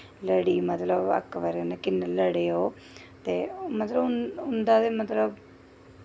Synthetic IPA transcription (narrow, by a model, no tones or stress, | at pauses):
ləɽiːmət̪ləbə̰kːʋəɾnekɪnːələɽeːoː | t̪eːmət̪ləbʊʊnd̪aːt̪eːmət̪ləb